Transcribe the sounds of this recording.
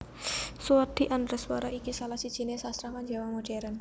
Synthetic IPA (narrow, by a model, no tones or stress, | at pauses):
suad̪̥i̤ʔandɾəswɔɾɔʔikisalahsid̥ʒ̥inesast̪ɾamand͡ʒawamoɖ̥ɛɾən